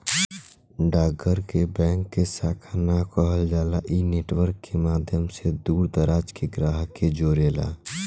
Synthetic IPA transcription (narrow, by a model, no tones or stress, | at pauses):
ɖaːɡəɾkebɛ̃ːŋkːesaːkʰanakəɦəld͡ʒaːlaʔineːʈwəɾkːemaːd̪ʱjəmsed̪uːɾd̪əɾaːd͡ʒkeɡɾaːɦked͡ʒoːɾeːla̰ː